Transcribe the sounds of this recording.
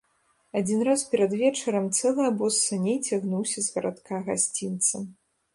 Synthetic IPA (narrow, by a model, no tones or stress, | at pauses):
ad͡zʲinɾaspʲɛɾɐd̪vʲɛt͡ʂɐɾɐmt̪sɛlˠɨɐbɔsːɐnʲejt͡sʲaɣnuwsʲɐzɣɐɾat̪kaɣasʲt͡sʲint̪sɐm